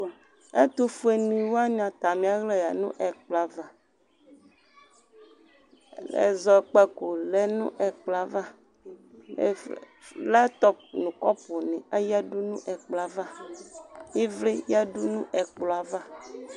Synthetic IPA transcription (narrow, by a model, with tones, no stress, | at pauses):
e˦t̪o˦fu˦e˨nĩ˨wa˦ɲã˨t̪a˨mĩ˨a˦ɣle˦ja˨nṵ̃˦ʔɛ˨k͡pla˨va˨ | ḛ˨zɔ˨k͡pɛ˦ko˨lɛ˦nũ˦ʔɛ˨k͡pla˨va˦˨ | la˦t̪ɔ˦nũ˨kɔ˦po˨nẽ˨a˦ja˦ɖu˦nũ˦ʔɛ˨k͡pla˨va˦ | je˦vle˦ja˦ɖu˦nũ˦ʔɛ˨k͡plɔ˨a˨va˦